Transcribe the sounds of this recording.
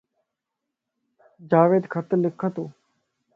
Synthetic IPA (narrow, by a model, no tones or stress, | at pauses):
d͡ʒaːʋeːd̪kʰət̪lɪkʰːət̪oː